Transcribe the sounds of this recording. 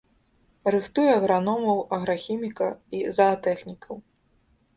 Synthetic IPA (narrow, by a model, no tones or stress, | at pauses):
rɨxt̪ujɛɐɣɾanɔmɐwɐɣɾaxʲimʲikɐizɐːt̪ɛxnʲikɐw